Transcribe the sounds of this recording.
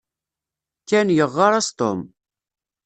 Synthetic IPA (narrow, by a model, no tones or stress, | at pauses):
kːænjəʁːɑɾˤɑst̪o̰m